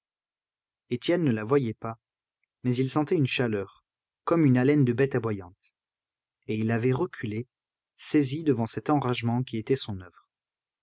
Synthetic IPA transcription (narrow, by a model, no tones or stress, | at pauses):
et̪jɛnːəlavwajɛpa | mɛzilsɑ̃t̪ɛynʃalœʁ | kɔmynalɛnd̪əbɛt̪abwajɑ̃t̪ | eilːavɛʁəkʲʰyle | sezid̪əvɑ̃sɛt̪ɑ̃ʁaʒmɑ̃kʲiet̪ɛsɔ̃nœvʁ